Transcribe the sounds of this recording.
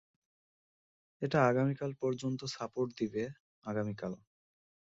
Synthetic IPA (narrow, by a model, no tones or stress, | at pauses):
eʈaaɡamikalpɔɾd͡ʑont̪osapoʈd̪ibe | aɡamikal